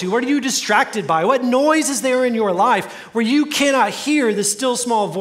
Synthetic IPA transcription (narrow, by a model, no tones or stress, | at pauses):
ɨwʌɾə˞jɨdɨstɹ̥æk̚tɨd̚baɪwʌtⁿnɔɪzɨzðə˞ɪ̃njə˞laɪf | wə˞jɨkʰæñɑt̚hiɹðɨstɪlˠsmɔlˠvɔ